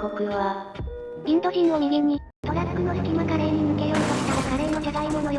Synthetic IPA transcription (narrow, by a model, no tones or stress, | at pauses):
kokɯ̟βa | ɡʲĩnt̪o̞ɾʲĩno̞mʲiɡʲiɲːi | t̪o̞ɾakːɯnosɯ̥kʲimakaɾe̞ɲ̟imɯ̟kejoit̪oɕi̥t̪aɾakaɾeːno̞d͡ʑad̪aimo̞no̞j